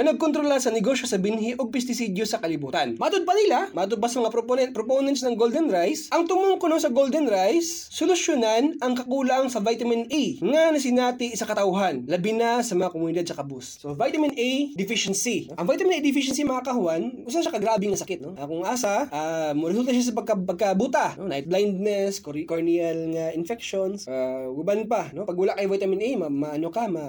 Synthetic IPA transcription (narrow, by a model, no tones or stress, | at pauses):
ɐnɐɡ̚kont̪ɾolasɐnɛɡoːʃjosɐbɪnɦiʔoɡ̚pɛst̪ɪsid̪josɐkɐlɪbuːt̪ɐnmaʔat̪od̪̚pɐnɪlamaːt̪ʊd̪̚pasɐmɐŋapɾopownɛnt̪snɐŋɡold̪ɛnɾajsʔɐŋt̪ʊmʊŋkonosɐɡold̪ɛnɾajsːʊlʊʃjonanɐŋkɐkuːlɐŋsɐvajt̪ɐmɪnijŋɐnɐs̬ɪnaːt̪ɪʔɪsakɐt̪ɐwɦanlɐbɪnasɐmɐŋakomʊnɪd̪ad̪̚sɐkɐbussovajt̪ɐmɪnʔɛjd̪ɪfɪʃɛnsioʔɐŋvajt̪ɐmɪnejd̪ɪfɪʃɛnsimɐkakɐhʊanʔʊsaʃakɐɡɾaːbɪŋɐsɐkɪt̪̚noʔakʊŋʔaːsaʔamɾɛsult̪ɐʃ̬as̬ɐpɐɡ̚kɐpɐɡ̚kɐbut̪anonajt̪̚blajnd̪̚nɛskoɾkoɹniɐlŋaɪnfɛk̚ʃonsʔaɡʊbanpano̞pɐɡ̚wɐlakɐjvajt̪ɐmɪnʔɛjmɐmɐɐnokamɐ